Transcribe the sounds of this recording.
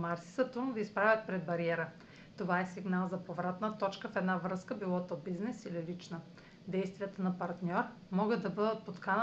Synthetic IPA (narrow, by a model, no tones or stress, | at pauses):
maɾsi̥sɐt̪umud̪ɐispɾavʲət̪̚pɾɛd̪bɐɾiɛɾə | t̪ovaɛsiɡnalˠzɐpovɾat̪nət̪ɔt͡ʃkəfɛd̪navɾɤskəbilˠɔt̪obiznɛsililit͡ʃnə | d̪ɛjst̪vijət̪ənɐpɐɾt̪nʲɔɾ | mɔɡəd̪ɐbɤd̪ət̪̚pot̪kanə